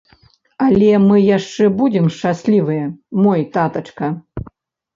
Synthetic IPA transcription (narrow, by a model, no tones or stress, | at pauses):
ɐlʲɛmɨjaʂt͡ʂɛbud͡zʲɛmʂt͡ʂasʲlʲivɨjɐmɔjt̪at̪ɐt͡ʂkɐ